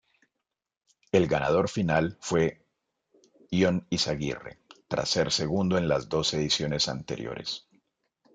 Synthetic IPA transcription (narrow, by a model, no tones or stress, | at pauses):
e̞lɡanað̞o̞ɾfinalfwe̞ | jonisaɣḭre̞̰t̪ɾa̰se̞ɾseɣund̪oẽnlazd̪o̞seðisjo̞ne̞sa̰nt̪e̞ɾjo̞̰ɾe̞s